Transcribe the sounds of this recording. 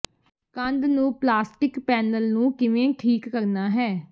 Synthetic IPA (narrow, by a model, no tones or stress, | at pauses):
kə̃nd̪nũːplaːsʈɪkpɛːnəlnũːkɪʋẽːʈʰiːkːəɾnaːɦɛː